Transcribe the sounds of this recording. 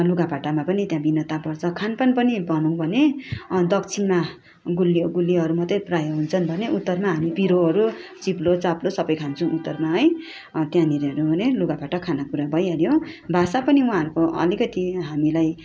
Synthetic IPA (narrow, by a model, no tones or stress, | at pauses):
luɡabaʈamapʌnit̪jãbinʌt̪apʌrt͡sʰʌkʰanpʌnpʌnibʱʌnũw̃bʱʌned̪ʌk̚t͡sʰinma | ɡulːiɡulːiɦʌɾumʌt̪ʌjprajʌɦunt͡sʰʌnbʱʌneʔut̪ːʌrmaɦamipiɾoɦʌɾut͡siplot͡saplosʌbʌjkʰant͡sʰʌũʔut̪ːʌrmaɦʌj | t̪jãniɾiʌɾubʱʌneluɡabaʈʌkʰanakuɾabʱʌjʌɾjõbʱasapʌniũɦãːʌɾukoʌ̰likʌt̪iɦamilaj